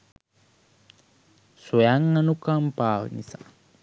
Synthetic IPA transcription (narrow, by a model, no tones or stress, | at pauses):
sujaŋːanukampanisḁ̰